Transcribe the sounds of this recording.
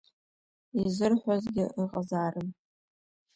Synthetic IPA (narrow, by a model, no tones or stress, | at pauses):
izɨrħʷazɡʲɪʔiqʼazaːɾɨm